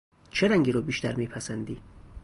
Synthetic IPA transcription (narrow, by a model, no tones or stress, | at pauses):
t͡ʃʰeɾæŋɡiːɾoːbiːʃt̪æɾmiːpʰæsænd̪iː